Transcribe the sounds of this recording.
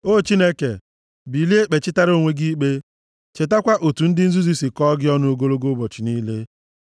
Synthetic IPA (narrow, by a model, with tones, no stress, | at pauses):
o˦˨t͡ʃi˦ne˦kḛ˨ | bi˨li˦e˦k͡pe˨t͡ʃɪ˦ta˦ɾo˦˨ŋʷe˦ɡi˦k͡pe˦ | t͡ʃe˨ta˦kʷa˦ʔo˨tu˨n̩˦dɪ˦n̩˦zu˦zi˦si˨kɔ˦ɡɪ˦ɔ˦nʊ˦o˦ɡo˦lo˦ɡo˦bɔ˨t͡ʃi˨ni˦le˦